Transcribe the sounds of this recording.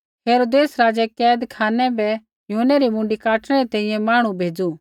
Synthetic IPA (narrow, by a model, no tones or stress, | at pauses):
ɦeːɾoːd̪eːsɾaːd͡ʒɛkɛːd̪kʰaːnɛbɛ | jʊɦənːɛɾimʊ̃ːɳɖikaːʈʰɽ̃ɛɾit̪ɛ̃ĩjɛ̃maːɽ̃ũbʱeːd͡zu